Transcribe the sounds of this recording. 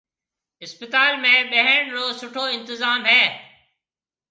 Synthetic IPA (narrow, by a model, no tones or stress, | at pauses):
ɪspɪt̪aːlmẽːɓəɦɪɽ̃loːsʊʈʰoːɪ̃nt̪ɪzaːmɦɛː